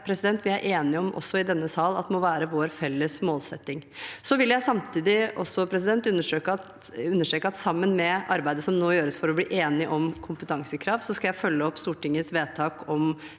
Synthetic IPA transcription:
pʰɾɛsɪd̪ɛnt̪ʋɪæɾʔeːnɪəɔmʔɔ̰sːɔɪd̪ɛnːəsɑːlɑ̰t̪mɔʋæːɾəʋoːɾfɛlːəsmoːlsɛt̪ːɪŋsɔʋɪljæɪsɑmt̪ʰiːd̪ɪʔɔsːɔpʰɾɛs̬ɪd̪ɛnt̪ʉnːəʂøːkə | ʉnːəʂʈɾøːkəɑt̪sɑmːənmɛʔɑɾbæɪd̪əsɔmnoːjøːɾəsfɔɾɔblḭːʔeːnɪʔɔmkʰʊmpət̪ʰɑŋsəkʰɾɑːʋsɔskɑljæɪfœlːəɔpːst̪uːʈɪŋːəsʋeːt̪ʰɑːkɔm

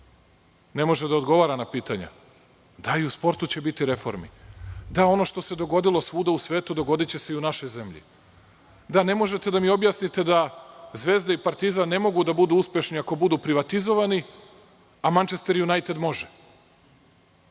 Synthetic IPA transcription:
ne̞mo̞ʒed̪aod̪ɡo̞ʋaːɾanapiːt̪aɲa̰ | d̪aiuspo̞ɾt̪ut͡ɕe̞bit̪iɾe̞fo̞̰ɾmḭd̪ao̞no̞ʃt̪o̞se̞d̪o̞ɡo̞d̪ilo̞sʋuːd̪ausʋe̞ːt̪ud̪o̞ɡo̞d̪it͡ɕe̞seiunaʃo̞jze̞mʎḭ | d̪ane̞mo̞ʒe̞t̪e̞d̪amio̞bjasnit̪e̞d̪azʋe̞ːzd̪aipaɾt̪izane̞mo̞ɡud̪abud̪uuspje̞ʃniako̞bud̪uːpɾiʋat̪izo̞ʋani | amant͡ʃest̪eɾjunajt̪ed̪mo̞ʒe

